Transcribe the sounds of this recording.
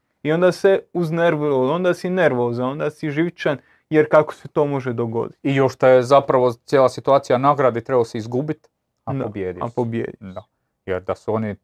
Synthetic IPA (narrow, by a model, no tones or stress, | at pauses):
io̞nd̪aseuzneɾʋoo̞nd̪asineɾʋoːzano̞nd̪asiʒiʋt͡ʃan | jeɾkako̥set̪o̞ːmo̞ʒed̪oɡo̞̰d̪i̥t̪ijoʃt̪ajezapɾaʋo̞t̪sjeːlˠasit̪uaːt̪sijanaɡɾad̪it̪ɾebaseizɡuːbit̪ | aobjeːd̪ia̰pobjḛːd̪id̪a | jḛɾd̪asuo̞ni